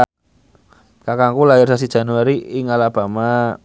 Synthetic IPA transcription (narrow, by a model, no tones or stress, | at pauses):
kakaŋkulaɪrsas̬id̥ʒ̥a̤nuaɾiɪŋalab̥a̤ma